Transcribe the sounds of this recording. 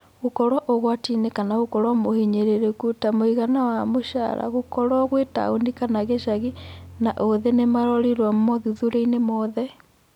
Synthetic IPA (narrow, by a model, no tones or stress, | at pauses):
ɣokɔɾwaʔoɣwatinekanaɣokɔɾwamohiɲeɾeɾekutamoiɣanawamoʃa̰ɾa̰ɣokɔɾwaɣweta̰ondikanaɣeʃaɣinaʔoðenemaɾɔɾiɾwammɔðuðuɾeinemɔðɛ